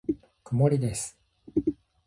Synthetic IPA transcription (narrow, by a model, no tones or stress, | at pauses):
kɯmoɾʲid̪e̞sɨ̥